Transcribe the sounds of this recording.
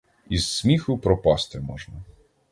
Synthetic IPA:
izːmʲixʊpɾɔpɑst̪ɪmɔʒnɐ

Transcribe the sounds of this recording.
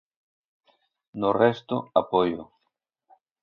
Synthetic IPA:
nʊrɛst̪ʊapojʊ̰

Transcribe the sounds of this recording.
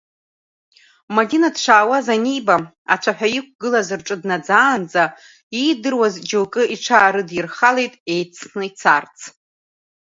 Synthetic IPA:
madinadʂʷaːwazanʲijba | a̰t͡ʃʷʰaħʷᶣajik̚ʷʰɡɨlazɨrʈ͡ʂʼɨdnad͡zaːnd͡za | idɨrwazd͡ʒolkʼɨiʈ͡ʂʰaːɾɨdjiɪrχale̞jtʼe̞jt͡sʰnɨit͡sʰart͡sʰ

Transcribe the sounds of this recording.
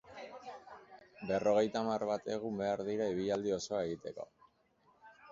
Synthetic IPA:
be̞ro̞ɣ̞e̞jt̪amaɾβat̪e̞ɣumbe̞aɾðiɾaiβ̞iʎald̪io̞so̞ae̞ɣ̞it̪e̞ko̞̰

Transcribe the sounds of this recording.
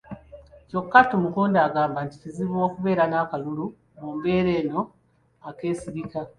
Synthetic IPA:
co̞kːatomukuːndaːɡaːmbanticiziβwo̞ːkuβe̞ːɾanaːkalulu | mumbe̞ːɾe̞ːno̞ | ake̞ːsiɾika

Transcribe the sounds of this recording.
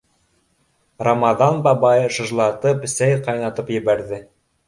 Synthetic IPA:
rɑmɑðɑnbɑbɑjɤʃɤ̆ʒlˠɑt̪ɤpsæjqɑjnɑt̪ɤpjɘ̆βæɾðɘ

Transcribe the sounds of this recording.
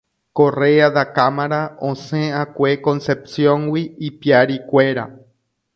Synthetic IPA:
ko̞read̪akamaɾaõsẽakʷekõ̞nsepsjõŋwiːpiaɾikʷe̞ɾa̰

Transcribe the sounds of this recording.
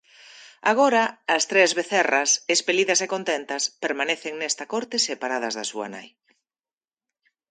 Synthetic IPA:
aɣ̞oɾɐːst̪ɾezβeθɛrɐsespeliðɐsekont̪ent̪ɐspeɾmaneθeŋnɛst̪ɐkoɾt̪esepaɾað̞ɐzðɐsuɐ̰na̰j

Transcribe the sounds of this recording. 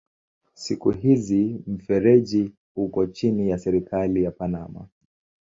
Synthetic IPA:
sikuɦizim̩fɛɾɛʄi | hukɔt͡ʃinijasɛɾikʰalijapanama̰

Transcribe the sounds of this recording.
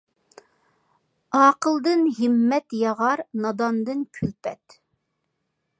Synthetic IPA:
ɑːqəlˠd̪ɨnɦɪmːɛt̪jɑʁɑɾnɑd̪ɑnd̪ɨnkʲʰylpʰɛt̪

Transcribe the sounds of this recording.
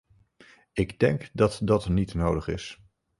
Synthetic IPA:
ɪɡdɛŋkdɑtdɑtnitnowdəχɪ̰s

